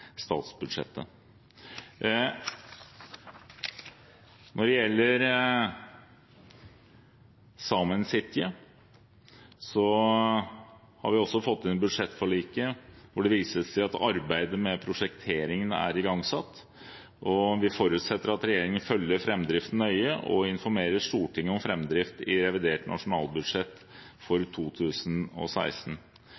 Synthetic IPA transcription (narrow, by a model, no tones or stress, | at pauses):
st̪ɑ̰ːt̪sbʉd̪ʂɛ̰t̪ːə | nɔɖɛjɛlːəɾ | sɑːmənsɪt̪ːɪə | sɔ | hɑ̰ɾʋɪɔsːɔfɔt̪ːɪnɛbʉd̪ʂɛt̪ːfɔɭiːkəʋʊɖɛʋiːsəsæɪɑt̪ɑɾbæɪd̪əmɛpʰɾʊʂɛkt̪ʰeːɾɪŋənæ̰ɾɪɡɑŋsɑt̪ː | ʔɔʋɪfɔɾʉt̪sɛt̪ːəɾɑt̪ɾɛjeːɾɪŋənfœljːəɾfɾɛmːd̪ɾɪft̪n̩œʏəʔɔ̰ɪnfɔɾmeːɾəʂt̪uːʈɪŋːəɔmfɾɛmːd̪ɾɪft̪ɪɾɛʋɪd̪eːʈnʔɑ̰ʂʊnɑ̰ːlˠbʉd̪ʂɛt̪ː | fɔɾt̪ʰuːt̪ʰʉːsnɔ̰sæ̰ɪst̪n̩